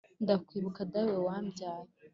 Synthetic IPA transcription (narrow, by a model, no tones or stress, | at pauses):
ndakwiːβukadawewaːmbjaːje